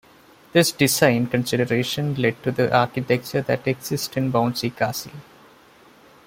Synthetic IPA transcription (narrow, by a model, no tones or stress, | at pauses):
d̪̥ɪsɖɪzãɪ̃nɖkə̃nsɪɖəɾeːʃə̃nleɖ̚ʈud̪iʔaːɾkɪʈɛk̚t͡ʃəɾd̪æʈeɡsɪsʈɪ̃nbãʊ̃nɖsikaːsəl